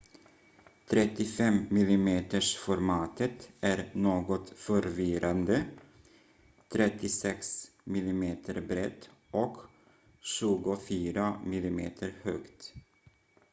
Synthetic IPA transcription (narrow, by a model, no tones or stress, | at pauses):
t̪ʰɾɛt̪ːɪfɛmmɪlɪmeːt̪əʂfɔɾmɑːt̪ʰət̪ʔæɾnoːɡɔt̪fœɾvɪɾand̪ə | t̪ʰɾɛt̪ːɪsɛksmɪlɪmeːt̪ʰəɾbɾɛt̪ːʔɔk | ɕʉ̟ːɡʊfyːɾamɪlɪmeːt̪ʰəɾhœːkt̪